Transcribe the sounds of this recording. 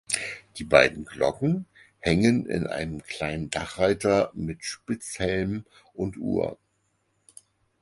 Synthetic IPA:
d̥iːbaɪdn̩ɡlɔ̰kŋ̩ | hɛŋənɪ̰nʔa̰ɪnəmkl̥aɪnəndaχʁaɪtɐmɪtʃpɪt͡shɛlm | ʔʊntʔṵːɐ̰

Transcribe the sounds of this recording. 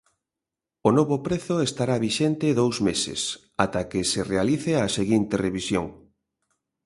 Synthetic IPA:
onoβʊpɾeθʊest̪aɾaβiʃent̪eðowzmesɪ̰s | at̪akeserealiθeaseɣint̪ereβisjoŋ

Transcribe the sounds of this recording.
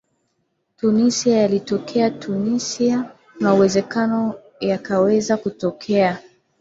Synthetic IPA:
tunisiajalitɔkʰɛatunisia | nauwɛzɛkanɔ | jakawɛzakutɔkʰɛa

